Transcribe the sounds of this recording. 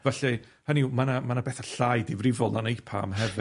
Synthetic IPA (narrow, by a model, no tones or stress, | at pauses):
vɛɬɛ | hanimanamanabɛθaɬajdivrɪvɔlˠnanejpʰa̰mɦɛvɪ